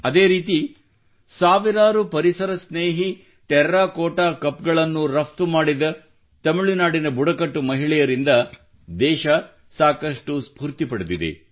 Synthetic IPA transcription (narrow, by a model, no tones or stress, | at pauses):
ɐd̪eːɾiːt̪i | saːʋiɾaːɾupɐɾisɐɾɐsneːɦi | ʈɛɾɾaːkɔːʈaːkɐpɡɐɭɐnːuɾɐpt̪umaːɽid̪ɐ | t̪ɐmiɭinaːɽinɐbuɽɐkɐʈːumɐɦiɭɛjɐɾind̪ɐ | d̪ɛːʃɐ | saːkɐʂʈuspuːɾt̪ipɐɽud̪id̪ḛ